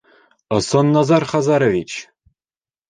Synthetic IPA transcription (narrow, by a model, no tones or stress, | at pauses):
ɤ̆sɤ̆nːɑzɑrχɑzɑɾovʲit͡ɕ